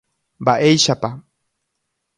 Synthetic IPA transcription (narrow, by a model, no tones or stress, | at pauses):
baʔejʃapa